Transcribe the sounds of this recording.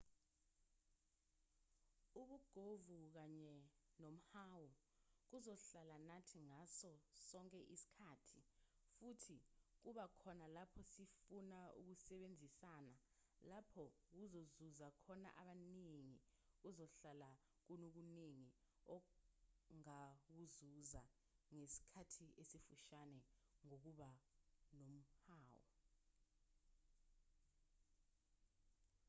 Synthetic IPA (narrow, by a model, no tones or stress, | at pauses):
uɓuɡ̥ʱovuk̬aɲɛnom̩haːwu | k̬uzɔɬalanatʰiŋasɔsɔŋkʼɛʔisi̥kʰaːtʰifutʰik̬uɓakʰɔnalapʰɔsifunaṵk̬usɛɓend͡zʱisana | lapʰɔ | k̬uzozuzakʰɔna̰ʔaɓaniŋi | k̬uzɔɬala | k̬unok̬uniŋi | ɔ | ŋak̬uzuza | ŋesi̥kʰatʰiesifuʃanɛŋok̬uɓanom̩haːwɔ̰